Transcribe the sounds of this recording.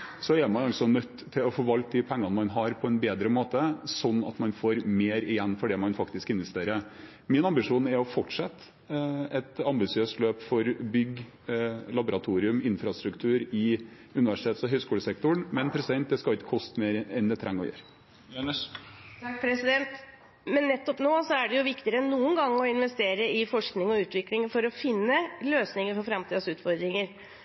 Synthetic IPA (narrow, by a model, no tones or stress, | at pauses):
sɔɛɾmɑnɑlsɔnœt̪ːt̪ʰːɪlɔfoːʋɑlk̪̚d̪ɪpʰɛŋːɑnəmɑnɦɑɾpʰɔɛnbeːd̪ɾəmoːt̪əsɔnːɑ̰t̪mɑnfoːɾmeːɾɪjɛnːfɔɖɛmɑnfɑkt̪ɪskɪn̪ʋɛst̪eːɾə | mɪnɑmbɪʂuːnɛɾɔfɔʈʂɑt̪ː | ɛt̪ɑmbɪsɪøːst̪løːpfɔɾbʏɡ | lɑbʊɾɑt̪ʰuːɾɪʉmɪnfɾɑst̪ɾʉkt̪ʰʉːɾɪ | ʉnɪʋæʂɪ̥t̪ʰeːt̪sɔɦœʏskuːləsɛk̚t̪ʊɳmɛnpʰɾɛsd̪ɛnt̪̚d̪ɛskɑɪk̪kʰɔst̪meːɾɛnd̪ɛt̪ʰɾæ̰ŋːɔ̰jø̰ːɾ | t̪ʰɑkːpʰɾɛsɪd̪ɛnt̪ | mɛnːɛt̪ːɔpnoːsɔæɖɛjʊʋɪkt̪ɪəɾənːuːənɡɑŋːɔɪnʋɛst̪eːɾəɪfɔʂknɪŋɔʉːt̪ʋɪklɪŋfɔɾɔfɪnːəløːsnɪŋəɾfɔɾfɾɑmt̪iːd̪əsʉːt̪fɔɾd̪ɾɪŋəɾ